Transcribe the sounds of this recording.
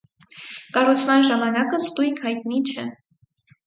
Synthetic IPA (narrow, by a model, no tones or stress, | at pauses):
kɑrut͡sʰmɑnʒɑmɑnɑkəst̪ujkʰhɑjt̪̚nit͡ʃʰɛ